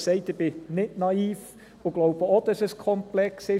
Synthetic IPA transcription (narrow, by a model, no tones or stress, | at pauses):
sɛɪtɪb̥ɪnɪtnɑiːf | ʊɡ̥lowb̥əod̥ɑsəskʰɔmplɛksɪ